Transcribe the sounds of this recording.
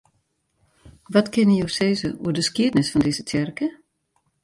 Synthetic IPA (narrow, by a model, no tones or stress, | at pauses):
ʋɔtkʰɪnəjowseːzəṵədəskiədnɪsfɔndɪz̥ətʰɛrkə